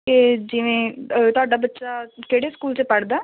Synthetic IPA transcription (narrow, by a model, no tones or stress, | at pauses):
ked͡ʒɪʋẽːt̪ʊaːɖaːbətːʃaːkeːɽeːskuːlt͡ʃepəɽd̪aː